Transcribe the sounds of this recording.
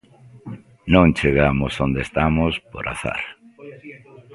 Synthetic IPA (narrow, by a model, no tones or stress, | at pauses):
nõŋt͡ʃeɣamosond̪est̪amospoɾa̰θa̰ɾ